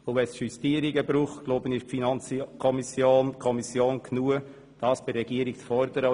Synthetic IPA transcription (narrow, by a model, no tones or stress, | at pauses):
ovɛsʃyst̪iəɾiɡəbɾuːχtɡ̥loːbənɪʃfinɑnt͡skʰɔmisjoːnkʰɔmisjoːnkʰnuə | d̥ɑːsb̥ɪːɛɡiːəɾikt͡sfɔɾd̪əɾə